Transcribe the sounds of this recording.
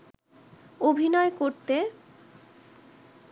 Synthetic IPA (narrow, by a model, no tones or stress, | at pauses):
obʱinɔekoɾt̪e